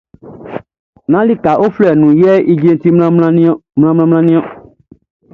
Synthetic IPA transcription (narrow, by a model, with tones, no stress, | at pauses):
nã˦li˦ka˨ʔo˦flɛ˨nũ˨jɛ˦ʔi˦d͡ʒe˦n˦ti˦m˦mlã˦mlã˦mlã˦nĩ˦ɔ̃˦